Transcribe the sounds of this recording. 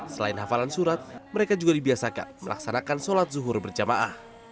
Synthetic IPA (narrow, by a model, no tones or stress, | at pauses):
səlaɪnɦafalansuɾat̪̚məɾekad͡ʒuɡadibiasaka̰nməla̰ksanakansolat̪̚zuɦʊrbərd͡ʒamaʔah